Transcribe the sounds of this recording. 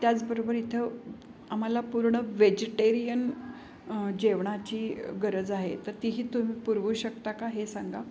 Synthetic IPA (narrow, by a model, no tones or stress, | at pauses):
t̪jat͡sbəɾobəɾit̪ʰə | am̤alapuɾɳəʋed͡ʑeʈeɾijən | d͡ʑeʋɳat͡ɕiːɡəɾəd͡zaɦḛt̪əɾt̪iɦiːt̪um̤iːpuɾʋuːɕəkt̪akaɦesaŋɡa